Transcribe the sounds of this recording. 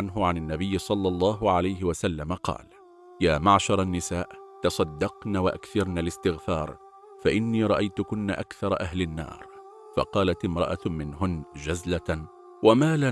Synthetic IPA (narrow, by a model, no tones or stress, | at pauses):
anɦʊʕananːabɪjːɪsˤɑlːɑlˤːɑːɦʊʕalajɦɪwasalːamaqɑ̰ːl | jaːmaʕʃɑɾˤanːɪsaːʔt̪ɑsˤɑd̪ːɑqnaːwaʔa̰kθɑɾˤnalɪst̪ɪɣfɑːɾˤ | faʔɪnːiːɾˤɑʔajt̪ʊkʊnːa̰ʔakθɑɾˤɑʔaɦlɪnːɑ̰ːɾˤ | fɑ̰qɑːlat̪ɪmɾˤɑ̰ʔat̪mɪnɦʊnd͡ʒazla | wamaːla